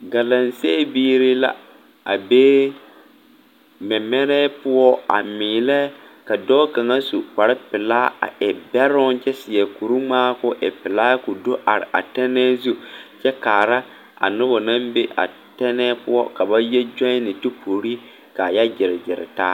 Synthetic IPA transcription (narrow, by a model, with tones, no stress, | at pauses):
ɡa˨la˨n˨se˦biː˦ɾɪ˦la̰˦ | a˨beː˦ | mɛ˨mɛ˦ɾɛ˦pʊ˦ɔ˦a̰˨mɪː˨lɛ˦ | ka˨dɔː˦ka˨ŋa˦su˨ka˨ɾɪ˦pɪ˨laː˦a̰˨ʔɛ˨bɛ˦ɾʊ˦nt͡ʃɛ˦sɪ˨ɛ˨ku˨ɾu˦ŋ͡maː˦kʊ˦ʔɛ̰˨pɪ˨laː˦kʊ˨do˦ʔa˨ɾɪ̰˨ʔa̰˨tɛ˦nɛː˦zu˦t͡ʃɛ˦kaː˨ɾa˦ | a̰˨nʊ˦bɔ˨na˦mbe˦ʔa̰˨ | tɛ˦nɛː˦pʊ˦ɔ˦ka˨ba˦jɛ˦d͡ʒa˦ɪ˦nɪ˨tʊ˦pʰo˨ɾi˦ | ka˨ja˦d͡ʒɪ˨ɾɪ˨d͡ʒɪ˨ɾɪ̰˨ta̰ː˦